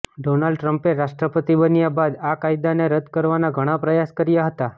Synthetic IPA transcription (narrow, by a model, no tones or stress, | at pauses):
ɖonalɖʈɾəmpeɾaʃʈɾəpət̪ibənjabad̪akaid̪aneɾəd̪kəɾʋanaɡʱəɽ̃apɾəjaskəɾjaɦət̪a